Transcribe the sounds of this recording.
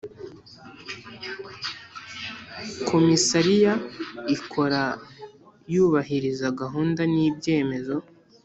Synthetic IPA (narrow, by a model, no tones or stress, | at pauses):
kʰo̞misaɾijaikʰo̞ɾa | juːβaɦiɾizaɡaɦuːndaniːbɟe̞ːme̞zo̞